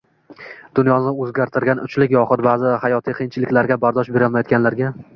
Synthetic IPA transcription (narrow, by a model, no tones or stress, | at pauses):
d̪̥ʊnjɒnɪɵzɡʲaɾt̪ʰɪɾɡʲanʊ̰t͡ʃʰlɪkʲjɒqʊt̪̚bazɪhajɒt̪ʰijqʰijnt͡ʃʰɪlɪkʲlaɾɡʲabaɾd̪ɒʃbeɾɪlmajɒt̪kʲanlaɾɡʲa